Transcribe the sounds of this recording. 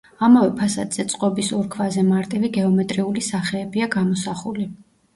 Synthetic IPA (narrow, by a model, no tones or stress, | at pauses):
amavɛpʰasa̰d̪z̥ɛt̪sʼqʼɔbisɔɾkʰvazɛmaɾt̪ʼiviɡɛɔmɛt̪ʼɾiulisaχɛːbiaɡamɔsaχuli